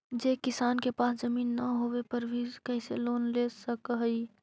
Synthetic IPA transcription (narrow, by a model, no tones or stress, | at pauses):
d͡ʒekɪsaːnkepaːsd͡ʒəmiːnːəɦoʋepəɾbʱikəɪseloːnlesəkɦəi